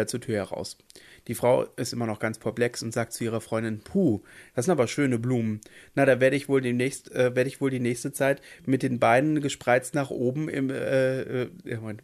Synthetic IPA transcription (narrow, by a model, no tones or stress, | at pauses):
ɐt͡suːɐtʰyːɐhɛɐʁa̰ʊsd̥iːfʁ̥aʊʔɪstʔɪmɐnɔχɡ̥ant͡spʰɛɐplɛksʊntz̥aːk̚tt͡suʔiːʁ̞ɐfʁ̥ɔʏndɪnpʰuːd̥asɪntaːbɐʃøːnəbluːmənnaɾaːveːɐɾəɪçv̥oːldeːmnɛːçstʔɛːveːɐɾəɪçv̥oːldiːnɛːçstət͡saɪtmɪt̚d̥eːnbaɪnənɡəʃpʁ̥aɪt͡stnaːχʔoːbm̩ɪ̰mɛːɛman